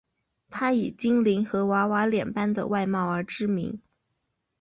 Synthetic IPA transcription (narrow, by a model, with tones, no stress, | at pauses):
t̪ʰa˥i˨˩t͡ɕi˥ŋli˧˥nxɤ˧˥wa˧˥wa˧˥ljɛ˨˩npa˥nd̪ə̰˨wa˥˧ɪmɑ˥˩ʊə˞˧˥ʈ͡ʂɻ̩˥mḭ˧˥ŋ